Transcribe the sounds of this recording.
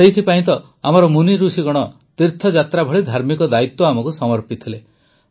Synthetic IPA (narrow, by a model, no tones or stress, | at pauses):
ejt̪ʰipaĩt̪ɔ | amɔɾɔmuniɾusiɡɔɽ̃ɔ | t̪iɾt̪ʰɔd͡ʒat̪ɾabʱɔɭid̪ʱaɾmikɔd̪ait̪wɔamɔkusɔmɔɾpit̪ʰile